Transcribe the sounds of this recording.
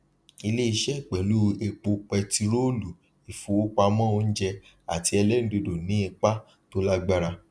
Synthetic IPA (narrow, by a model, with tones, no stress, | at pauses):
i˧le˦i˧ʃɛ˦˨k͡pɛ˨lu˦e˧k͡po˧k͡pɛ˧ti˧ɾo˦lu˨ | i˨fũ˨wo˦k͡pa˧mã˦o˧n̩˦d͡ʒɛ˧ | a˨ti˧˦ɛ˧lɛ˦ñ̩˨de˧do˨nĩ˨˦i˧k͡pa˦ | to˦la˦ɡ͡ba˦˧ɾa˧